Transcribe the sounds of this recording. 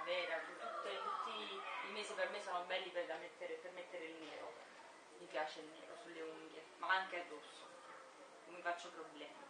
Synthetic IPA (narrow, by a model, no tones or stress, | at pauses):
vɛːɾakut̪ːut̪ːet̪ut̪ːiimeːsipermesoːnobɛlːipɛd̪amet̪ːeɾepermet̪ːeɾeilneːɾo̰ | mipjaːt͡ʃeilːḛːɾo̰sulːeuŋɡe | maaŋkead̪osːo | omːifat͡ʃːopɾoblɛːma